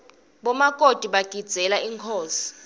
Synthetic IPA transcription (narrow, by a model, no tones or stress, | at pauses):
ɓɔmakʼod̥ʱiɓaɡ̥ʱid̥d͡z̥ʱɛlaiŋkʰoːsi̥